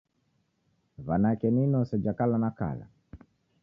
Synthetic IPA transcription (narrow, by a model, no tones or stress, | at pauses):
vanakɛninɔsɛd͡ʒakalanaka̰la̰